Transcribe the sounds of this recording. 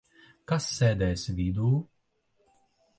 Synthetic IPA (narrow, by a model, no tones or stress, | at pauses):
kasːɛːd̪ɛːsvʲid̪uː